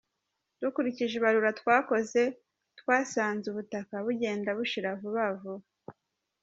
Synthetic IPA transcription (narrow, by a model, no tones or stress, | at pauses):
d̥ukuɾiciʒeβaɾuɾatwaːko̞ze̞ | twaːsaːnzuβutakaβuɟe̞ːndaβuʃiɾavuβavu